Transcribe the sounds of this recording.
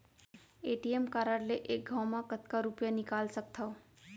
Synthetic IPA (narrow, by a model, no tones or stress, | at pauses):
eʈiemkaɾəɾleʔek̚ɡʱawmakət̪kaɾupjanikalsək̚t̪ʰʌw